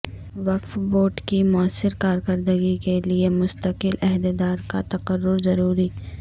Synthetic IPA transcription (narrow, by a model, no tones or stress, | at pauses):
ʋɐqfboːʈkimʊəsːɪɾkaːɾkəɾd̪əɡikeliemʊst̪əkɪlɛɦd̪ed̪aːɾkat̪ɐqəɾːʊɾzɐɾuːɾiː